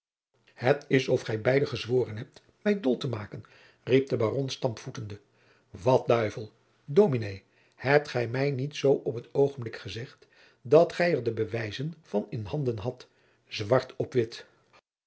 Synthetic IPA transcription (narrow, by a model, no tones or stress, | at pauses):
hətɪsɔfχɛjbɛjdəχəzʋoːrənɦɛp̚t | mɛjdɔlˠtəmaːkən | rip̚dəbaːrɔnstɑmpfutəndə | ʋɑt̚dœɥvəlˠ | dowminej | hɛp̚tχɛjmɛjnitsowʔɔpɦətowχənblɪkχəzɛχt | dɑtχɛjəɹdəbəʋɛjzənv̥ɑnɪnɦɑndənɦɑt | zʋɑɹtɔpʋɪt